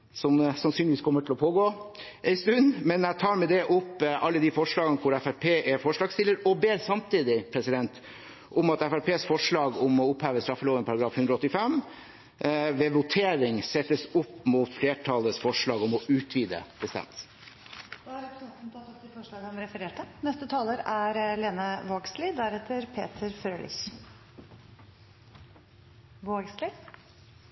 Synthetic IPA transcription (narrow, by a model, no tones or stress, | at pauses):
sɔmsɑnsyːnɪʋiːskʰɔmːəʈʰɪlɔpʰoːɡoː | ɛɪst̪ʉnmɛnæt̪ʰɑːɾmɛd̪ɛʔʊpːʔɑlːəd̪ifɔʂɭɑːɡənəkʰʊɾæfæɾpʰeːʔɛfɔʂɭɑːɡst̪ɪlːəɾɔbeːɾsɑmt̪ʰiːd̪ɪpʰɾɛsɪd̪ɛnt̪ | ʔɔmɑt̪æfæɾpʰeːsfɔʂɭɑːɡɔmɔʊphæːʋəst̪ɾɑfəloːʋənpʰɑɾɑɡɾɑːfhʉnd̪ɾɑɔt̪ːɪfɛm | ʋɛʋʊt̪ʰeːɾɪŋsɛt̪ːəsʊpːmuːt̪fleːʈʰɑːləsfɔʂɭɑːɡɔmɔʔʉːt̪ʰʋiːd̪ə̰pʰəst̪ɛ̰ms | d̪æɾɛpsɛt̪nt̪ɑt̪ɔt̪ɪfɔʂɭɑːɡɔmɾɛfəɾeːʈənɛst̪ət̪ʰɑːləɾæɾleːnɑʋoːɡslɪd̪æɾɛt̪ʰəɾpʰḛːt̪ʰəɾfɾøːlʔɪ̰ç | ʋoːɡslɪ